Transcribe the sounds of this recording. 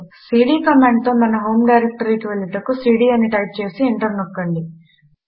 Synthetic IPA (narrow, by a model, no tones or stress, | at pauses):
siːɽiːkɐmeɳɖ̚t̪oːmɐnɐɦoːmɖɐjɾek̚ʈɐɾikiʋeɭːit̪ɐkːusiːɽiːɐnːiʈɐjp̚t͡ʃe̞ːsiiɳʈɐɾnokːɐɳɖi